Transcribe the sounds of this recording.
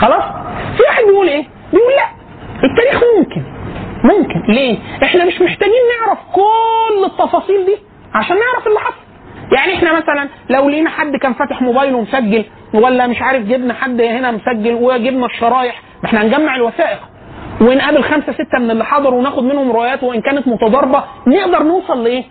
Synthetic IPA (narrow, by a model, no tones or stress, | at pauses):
xɑlɑːsˤfiwaħed̪bejʔuːlʔeː | bejʔuːllæʔ | ʔet̪ːæːɾiːxmomkenmomkenleːʔeħnæmeʃmoħt̪æɡiːnːeʕɾæfkolːet̪ˤːɑfɑːsˤiːld̪iː | ʕaʃæːnːeʕɾæfelːeħɑsˤɑ̥ | jaʕniʔeħnæmæsælæn | læwlihenæħad̪ːkæːnfæːt̪eħmobæːjlwemsæɡːel | wælːæmeʃʕaːɾefɡebnæħad̪ːhenæmosæɡːælweɡebnæʃːɑɾˤɑːjeħ | eħnænɡæmːaʕelwæθæːʔeq | wenʔæbelxæmsæset̪ːæmenelːeħɑd̪ˤɑɾwenæːxod̪menhomɾoʔæjæːt̪weʔenkæːnæt̪mot̪ɑd̪ˤɑɾˤbɑ | neʔd̪ɑɾˤnewsˤɑlːeʔeː